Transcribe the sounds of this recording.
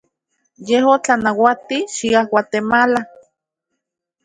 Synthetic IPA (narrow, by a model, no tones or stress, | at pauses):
jeɦot͡ɬanawat̪iʃiahwat̪emala